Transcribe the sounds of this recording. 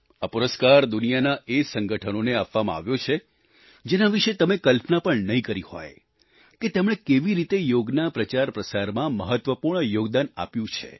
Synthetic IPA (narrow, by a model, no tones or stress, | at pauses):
apuɾəskaɾd̪unijanaʔesəŋɡəʈʰənoneapʋamã̰a̰ʋjot͡ʃʰe | d͡ʒenaʋiʃet̪əmekəlpnapəɳnəɦĩkəɾihɔ̰j | ket̪emɽ̃ekeʋiɾit̪ejoɡnapɾət͡ʃaɾpɾəsaɾmãməɦət̪ʋəpuɾɳəjoɡd̪ana̰pjũt͡ʃʰḛ